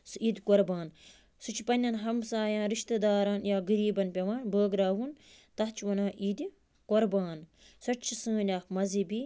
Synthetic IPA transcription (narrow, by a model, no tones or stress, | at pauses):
siːd̪ʲkoɾbaːn | sut͡ʃʰpɐnʲːɐnɦɐmsaːjãːɾiʃt̪ɐd̪aːɾɐnjaːɡɐɾiːbɐnpʲɐʋaːnbəːɡɾaːʋun | t̪ɐɦt͡ʃʰʋɐnãːʔiːd̪ | koɾbaːn | sɐt͡ʃʰisɨ̃ːnʲaːkmɐzibi